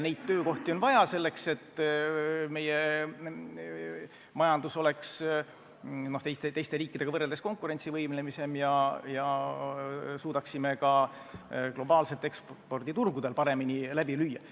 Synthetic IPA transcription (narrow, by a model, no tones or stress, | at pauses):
ne̞jd̪̥̚t̪ːø̞ːko̞ht̪io̞nvɑjɑse̞lːe̞kse̞t̪ː | me̞je̞ | mɑjɑnd̪̥uso̞le̞ks | no̞ht̪ejst̪et̪e̞jst̪eɾiːkːˑid̪̥e̞ɡɑvɤrːeld̪esko̞ŋkˑuɾe̞nʲt̪sivɤjmle̞mise̞mjɑjɑ | suːd̪ɑksimekɑ | klo̞bɑːlse̞lt̪ːe̞ksppo̞rd̪̥it̪urɡud̪̥e̞lpɑɾe̞minilæb̥ilyjːɑ